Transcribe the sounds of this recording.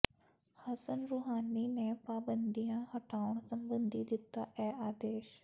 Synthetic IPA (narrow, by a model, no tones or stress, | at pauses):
hɐsənɾuɦaːninepaːbə̃nd̪ijãhɐʈʰaːʋəɳ̃sɐ̃mbə̃nd̪ʱid̪ɪt̪ːa̰ʔɛːaːd̪eːʃ